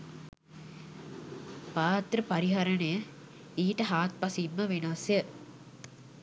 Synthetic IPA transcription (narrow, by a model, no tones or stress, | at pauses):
paːt̪ɾəpɐɾiɦɐɾɐnəjə | iːʈəɦaːt̪̚pɐsiːmːəʋenasjə